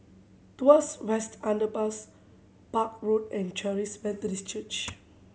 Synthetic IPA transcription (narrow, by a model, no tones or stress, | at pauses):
tuaswɛstãndəpas | pak̚ɹodɛ̃nt͡ʃɛɹiswɛtɾist͡ʃət͡ʃ